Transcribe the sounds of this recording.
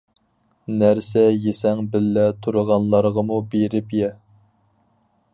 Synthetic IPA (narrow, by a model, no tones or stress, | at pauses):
næɾsɛjesɛŋbɪlːɛt̪ʰuɾəʁɑnlˠɑɾʁəmubeɾɪpjɛ